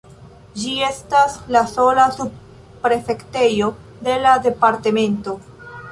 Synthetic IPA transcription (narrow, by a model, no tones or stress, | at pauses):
d͡ʒie̞staslaso̞lasub̚ | pːɾe̞fe̞kte̞jo̞ | de̞lade̞paɾteme̞nto̞